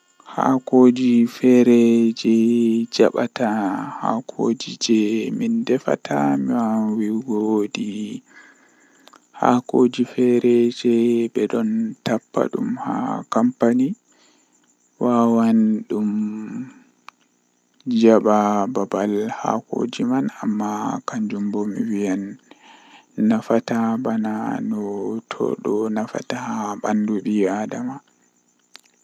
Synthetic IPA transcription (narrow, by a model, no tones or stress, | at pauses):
ha̰koːd͡ʒifɛɾɛd͡ʒɛd͡ʒaɓataha̰kʰoːd͡ʒid͡ʒɛmindɛfa̰tʰamiwawiɡodi | ha̰koːd͡ʒifɛɾɛd͡ʒɛbɛɗɔntapːa̰ɗumha̰kampani | wawanɗum | d͡ʒaɓababalha̰ko̰ːd͡ʒimanamːakaɲd͡ʒumbɔmiwijan | afatabananɔtʰɔ̰ɗɔnafa̰tahabanduɓiadama